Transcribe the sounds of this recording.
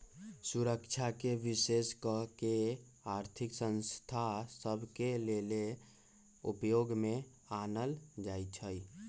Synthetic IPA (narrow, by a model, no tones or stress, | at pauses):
suɾəkt͡ʃʰakeʋiseskəke | aɾt̪ʰiksə̃nst̪ʰasəbʱkelele | ṵpjoɡme | anəld͡ʒajt͡ʃʰəj